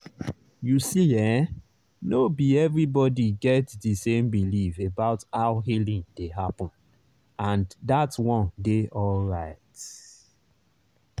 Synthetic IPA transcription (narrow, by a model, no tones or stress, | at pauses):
jusiɛ | nobiɛvɹibɔdiɡɛtdisẽmbilifebaʊthaʊɦilĩŋd̥eɦapɔ̃n | ãndatwɔ̃ndeʔɔlɹaɪt